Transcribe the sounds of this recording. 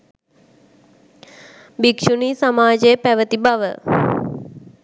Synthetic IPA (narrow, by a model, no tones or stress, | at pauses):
bikʃuniːsamaːd͡ʒəjəpæʋət̪ibaʋə̰